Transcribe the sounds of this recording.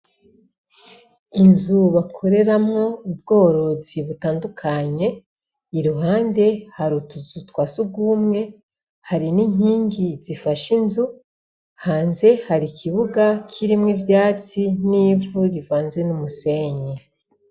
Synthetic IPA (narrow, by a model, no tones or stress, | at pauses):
inzuβakʰo̞ɾe̞ɾamŋo̞ub̚ɡo̞ːɾo̞ziβutaːndukʰaɲe̞ | iɾuɦaːnde̞haɾutuzutwaːsuɡuːmŋe̞ | haɾiniɲiːŋɡizifaʃinzu | haːnze̞haɾikʰiβuɡakʰiɾimŋivjaːt͡siniːvuɾivaːnze̞numuse̞ːɲe